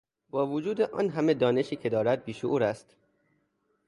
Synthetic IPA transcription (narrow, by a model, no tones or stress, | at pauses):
bɒːvod͡ʒuːd̪eʔɒ̰ːnɦæmed̪ɒːne̞ʃiːcʰe̞d̪ɒːɾæd̪̚biːʃoʔuːɾæst̪